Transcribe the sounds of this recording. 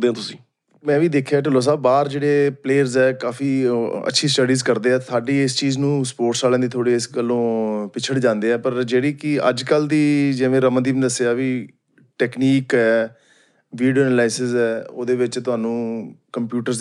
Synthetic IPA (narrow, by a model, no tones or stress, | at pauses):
d̪ẽːt̪ʊsĩː | mɛ̃ːʋiːd̪eːkʰːeaːʈəloːs̬aːbbaːɾd͡ʒeːɽeːpleːəɾzɛːkaːfiːə̰tːʃʰiːsʈəɖiːzkəɾd̪eːɛːsaːɖiːɪst͡ʃiːznũːspoːɾʈsaːlɛ̃ːd̪iːt̪ʰoːɽiːɪskəlːõːpɪt͡ʃʰəɽd͡ʒãːnd̪eːɛːpəɾd͡ʒeːɽiːkɪə̰d͡ʒkəld̪iːd͡ʒeːʋẽːɾəmə̃d̪iːmẽːd̪əsːeaːʋiː | ʈɛːkniːkɛː | ʋiːɖioːɛnlaːɪsɪzɛːo̰ːd̪eːʋɪt͡ʃt̪ʊɦaːnũːkəmpjuːʈəɾ